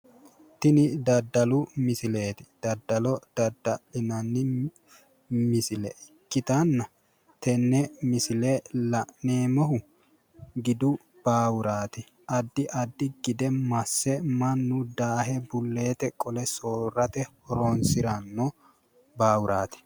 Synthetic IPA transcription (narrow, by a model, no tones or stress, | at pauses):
t̪ɪnɪd̪ɐd̪ːɐlʊmɪsɪleːt̪ɪ̥d̪̥ɐd̪ːɐlɔd̪̥ɐd̪ːɐʔɪnɐnːɪ | mɪsɪlɛkːɪt̪ɐnːɐ | t̪ɛnːɛmɪsɪlelɐʔneːmɔɦʊ | ɡɪd̪ʊ | b̥aːwʊɾaːt̪ɪ | ɐd̪ːɪʔɐd̪ːɪɡ̥ɪd̪ɛmɐsːɛmɐnːʊd̪aːɦɛbʊlːe̞ːt̪ɛkʼɔlɛsoːrːɐt̪ɛhɔɾonsɪɾɐnːɔ | baːwʊɾʔaːt̪ɪ̥